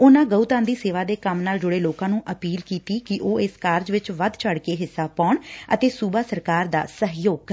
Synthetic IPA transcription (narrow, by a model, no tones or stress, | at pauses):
ʊnãːɡəut̪ãːnd̪iːseːʋaːd̪eːkəmnaːld͡ʒʊɽeːloːkãːnũːʔəpiːlkiːt̪iːkɪʔoːɪskaːɾd͡ʒʋɪt͡ʃʋəd̪t͡ʃʰəɽkeːɦɪsːaːpaːʊɳə̰t̪eːsuːbaːsəɾkaːɾd̪a̰ːsəɦjoːɡ